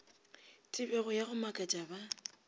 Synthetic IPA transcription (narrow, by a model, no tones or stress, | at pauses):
tʼɪbɛɣʊjaɣʊmakʼat͡ʃʼaba